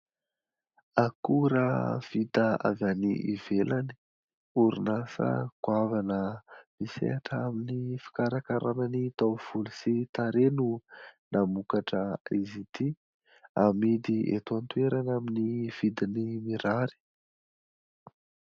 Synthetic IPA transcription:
akuɾəv̥it̪aa̰vjanḭʔivelani̥ | uɾinasə̰kwavanəmisḛaʈ͡ʂəaminifi̥kaɾakaɾanənit̪awv̥ulusit̪aɾenunamukaʈ͡ʂəizit̪i | amid̪iḛt̪uant̪ueɾanaminiv̥id̪inimiɾaɾi̥

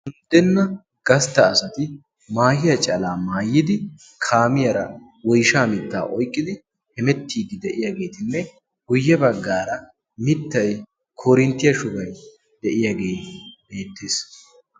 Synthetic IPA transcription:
hʊnd̪ːɛnːɐ | ɡ̥ɐst̪ːɐːsɐt̪ɪ | maːhɪjɐt͡ʃʼɐlaːmaːjːɪd̪ɪ | kʰaːmɪjɐɾɐ | wɔjʃaːmɪt̪ːa̰ːʔɔjkʼːɪd̪ɪ | hɛmɛt̪ʰːiːd̪ɪd̪ɛʔɪjaːɡe̞ːt̪ɪnːɛ | ɡ̥ʊjːɛbɐɡːaːɾɐ | mɪt̪ːɐj | kʰɔɾɪnt̪ːɪjɐʃʊɡɐj | d̪ɛʔɪjaːɡeːbe̞ːt̪ːeːs

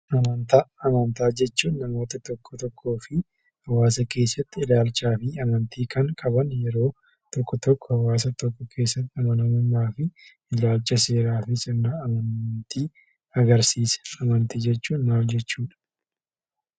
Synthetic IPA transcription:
ʔɐmɐnt̪aːɐmɐnt̪aːd͡ʒɛt͡ʃːuːnːɐmo̞ːt̪ɐt̪ɔkːɔt̪ɔkʰːo̞ːfɪ | hɐwaːs̬ɐke̞ːsːɐt̪ːɪɪlaːlt͡ʃːaːfɪɐmɐnt̪iːkʰɐŋkʼɐbɐnjɛɾo̞ː | t̪ɔkːɔt̪ɔkːɔhɐwaːs̬ɐt̪ɔkːɔkʰe̞ːsːɐt̪ːɪɐmɐnɐmʊmːaːfɪ | ɪlaːlt͡ʃːɐse̞ːɾaːfɪsʼɪnːaɐmɐnnt̪iː | ɐɡɐɾsiːsɛ̥ɐmɐnt̪id͡ʒɛt͡ʃːuːnːaːfd͡ʒɛt͡ʃːuːᶑɐ̥

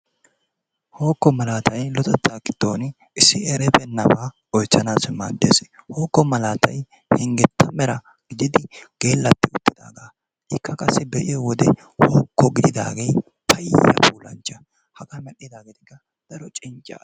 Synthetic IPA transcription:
ho̞ːkːɔmɐlaːt̪ʰɐjlɔt̪ɛt̪ːaːkɪd̪̥o̞ːn | ɪsːɪɛɾɛbɛnːɐba | ɔjt͡sːɐnaːsma̰ːd̪ːeːsho̞ːkːɔmɐlaːt̪ɐj | hɛŋɡɛt̪ʰːɐmɛɾɐ | ɡ̥ɪd̪ɪd̪ɪɡ̥e̞ːlːɐt̪ːɪʊt̪ːɪd̪a̰ːɡa | ɪkːɐkʼɐsːɪbɛʔɪjɔwɔd̪ɛ | hoːkːɔɡɪd̪ɪd̪a̰ːɡej | pʰɐjjːɐ̰puːlɐ̰nt͡ʃːɐ | hɐɡamɛɗɪd̪aːɡɪt̪ɪ̥kːɐ | d̪̥ɐɾɔt͡ʃʼɪnt͡ʃʼːa̰ː

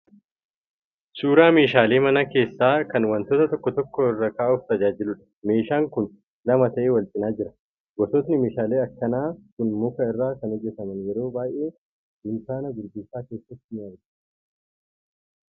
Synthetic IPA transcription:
suːɾaːmeːʃaːleːmɐnɐke̞ːsːaːkɐnwɐnt̪oːt̪ɐt̪ɔkːɔt̪ɔkːɔɪrːɐkaːʔʊft̪ɐd͡ʒaːd͡ʒɪlʊᶑɐ̥ | me̞ːʃaːŋkʊn | lɐmɐt̪ɐʔe̞ːwɐlt͡ʃʼɪnaːd͡ʒɪɾɐ | ɡɔsɔt̪nɪmeːʃaːle̞ːɐkːɐnaːkʊnmʊkɐɪrːaːkɐnɔd͡ʒːɛsɐmɐnjɛɾo̞ːbaːjʔe̞ː | d̪ʊnsaːnɐɡ̪ʊɾɡɪnsaːke̞ːsːɐt̪ːɪmɪɐɾdɐ̥

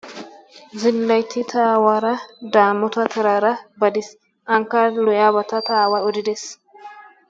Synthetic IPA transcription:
zɪlːɐjt̪ʰːɪt̪ʰaːwaːɾɐd̪aːmːɔt̪ɐt̪ʰɛɾaːɾɐbɐd̪ɪs | ʔɐŋkːalɔjaːbɐt̪ɐt̪aːwaɔd̪ɪd̪es

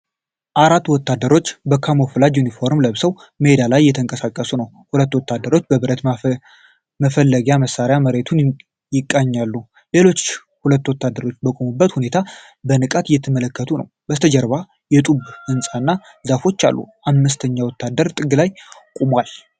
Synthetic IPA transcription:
ʔaɾat̪ːwɔt̪ːad̪ːəɾo̞t͡ʃːbəkʰamoflad̪junifo̞ɾmləβsəw | məhed̪alajːɛt̪ʰəŋkʼəsakʼːəsunəw | hulət̪ːwɔt̪ːad̪ːəɾo̞t͡ʃːbəβɨɾət̪ | məfəlːəɡjaməsːaɾjaməɾe̞t̪ʰun | jɪkʼːaɲːalːu | le̞lo̞t͡ʃː | hulət̪ːwɔt̪ʰːad̪ːəɾo̞t͡ʃːbəkʼumubːət̪hune̞t̪ʰa | bənɨkʼat̪jɛt̪ʰəmələkːət̪ʰunə̰wbət̪ʰəd͡ʒəɾβa | jɛt̪ʼubhɨnsʼanːa | zafo̞t͡ʃːa̰lːṵʔamːɨst̪ʰəɲːawɔt̪ʰːad̪əɾt̪ʼɨɡɨlajkʼumwal

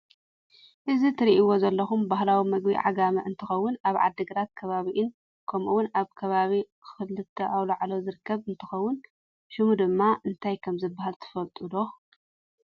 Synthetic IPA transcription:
ʔɨzit̪ʰɨɾiʔiwozɐlːɐxumbahlawimɐɡbḭʕa̰ɡamɐʔɨnt̪ʰɨxɐwːʊnaβʕa̰d̪ːɨɡɐɾat̪̚kʰɐβaβiʔɪn | kʰɐmʔuwʊnaβkʰɐβaβi | xɨlɨt̪ʰːɐʔawlaʕlozɨɾɨkːɐβɨnt̪ʰɨxɐwːʊn | ʃɨmud̪ɨmːaʔɨnt̪ʰajkʰɐmzɨbːahalt̪ʰɨ̥fɐlt̪ʼud̪o

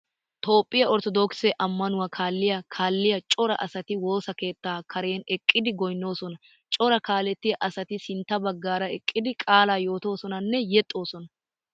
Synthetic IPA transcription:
t̪o̞ːpʼːɪjɐɔɾt̪ɔd̪oːksɛʔɐmːɐnʊwakʰaːlːɪjɐkʰaːlːɪjɐt͡ʃʼɔɾɐʔɐsɐt̪ɪwo̞ːsɐke̞ːt̪ːaːkʰɐɾe̞ːnɛkʼːɪd̪ɪɡɔjnːo̞ːsɔnɐ | t͡ʃʼɔɾɐkaːlɛt̪ːɪjɐʔɐsɐt̪ɪsɪnt̪ːɐbɐɡːaːɾɐɛkʼːɪd̪ɪkʼaːlaːjo̞ːt̪o̞ːsɔnɐnːɛjɛt̪ʼːo̞ːsɔnɐ

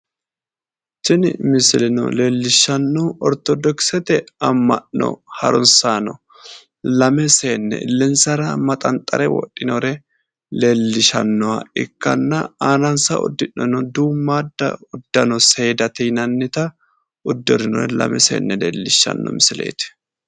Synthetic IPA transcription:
t͡ʃɪnmɪsɪlɪnɔ̰le̞ːlːɪʃːɐnːɔɔɾt̪ɔd̪ɔksɛt̪ɛɐmːɐʔnɔ̰hɐɾɔnsaːnɔ | lɐmɛse̞ːnːɛ̰lːɛnsɐɾɐmɐt̪ʼɐnt̪ʼːɐɾɛwɔ̰ɗːɪnɔɾɛ | le̞ːlːɪʃɐ̰nːɔwɐ̰ɪkːɐ̰nːɐaːnɐnsɐɔ̰d̪ːɪnːɔnɔd̪uːmːaːd̪ːɐ̰ʊd̪ːɐnɔse̞ːd̪ɐt̪ijnɐnːɪt̪ɐ | ʊd̪ːɔɾɪnɔ̰ɾɛlɐ̰mɛsḛːnːɛlḛːlːɪʃːɐ̰nːɔ̰mɪsɪlḛːt̪ɪ̥

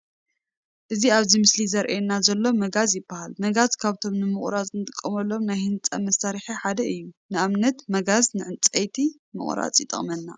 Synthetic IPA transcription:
ʔɨziaβzimɨslizɐɾʔenːazɐlːo̞mɐɡazjɪbːahalmɐɡazkʰaβt̪ʰo̞mnɨmɨχʼɾat͡sʼnɨt̪ʼɨkʼːɐmɐlːo̞mnajhɨnt͡sʼɐ̰mɐsaɾiħiħad̪ɐɨjːunɨaβnɐt̪mɐɡaznɨʕɨnt͡sʼɐjt̪ʰi | mɨ̰χʼɾa̰t͡sʼjɪt̪ʼɨ̰χʼmɐnːa̰

